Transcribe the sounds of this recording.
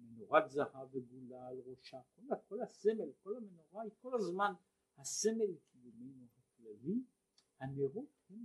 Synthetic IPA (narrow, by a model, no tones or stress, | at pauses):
menoʁat̪zaʁaveɡulalʁoʃakolakolasemelkolamenoʁaikolazman | hasemelekʰijumejnuhaklali | haneʁuthem